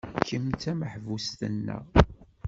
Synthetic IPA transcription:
kːəmt͡sæməħvust̪ənːə̰ʁ

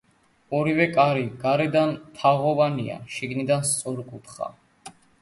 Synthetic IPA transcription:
ɔɾivɛkʼaɾiɡaɾɛd̪ant̪ʰaʁɔvania̰ʃiɡnid̪anst̪sʼɔɾkʼut̪χa̰

